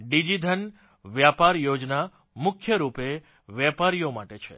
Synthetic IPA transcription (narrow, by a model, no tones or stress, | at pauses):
ɖid͡ʒid̪ʱən | ʋjapaɾjod͡ʒna | mʊkʰjəɾupe | ʋjɛpaɾijomaʈet͡ʃʰḛ